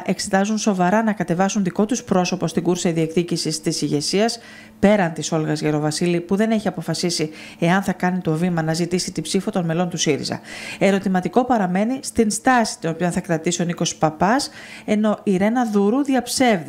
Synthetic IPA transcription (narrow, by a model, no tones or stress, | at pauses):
ʔe̞kse̞t̪ɐzunso̞vɐɾɐnɐkɐt̪e̞vɐsunðiko̞t̪uspɾo̞sopo̞st̪iɡuɾsɐiðie̞kθicisist̪isiʝe̞siɐs | pe̞ɾɐnt̪iso̞lɣɐzʝeɾo̞vɐsilipuðe̞ne̞çiɐpo̞fɐsisi | e̞ɐnθɐkɐnit̪o̞vimɐnɐzit̪isit̪ibsifot̪o̞nme̞lo̞nt̪usiɾḭzɐ̰e̞ɾo̞t̪imɐt̪iko̞pɐɾɐme̞nist̪inst̪ɐsi̥t̪ino̞pionθɐkɾɐt̪isio̞niko̞spɐpɐs | e̞no̞iɾe̞nɐðuɾuðiɐpse̞vði